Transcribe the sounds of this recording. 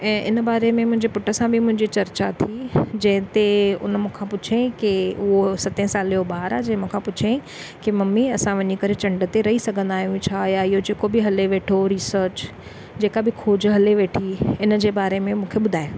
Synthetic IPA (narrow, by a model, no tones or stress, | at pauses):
ɛ̃ːʔɪnəbaːɾemẽmʊ̃ɦɪ̃ɲd͡ʑepʊʈəsãbʱɪmʊ̃ɦɪ̃ɲd͡ʑit͡ɕɐɾt͡ɕat̪ʰid͡ʑɐ̃ɦɪ̃t̪eʊ̰nmũːkʰãpʊt͡ʃʰekiʊɦosɐt̪ẽsaːlobaːɾaːd͡ʑɐ̃ɦɪ̃mũːkʰãpʊt͡ʃʰẽ | kimɐmːiɐsãʋɐɲikɐɾet͡ɕɐ̃ɳɖət̪eɾɐɦisɐɡʱə̃nd̪aːɦijũt͡ʃʰajaɪɦod͡ʑeːkobɪɦɐleʋeːʈʰoɾiːsəɾt͡ɕ | d͡ʑeːkabɪkʰoːd͡ʑɦɐleʋeːʈʰiɪnd͡ʑeːbaːɾemẽmũːkʰeɓʊd̪ʱaːe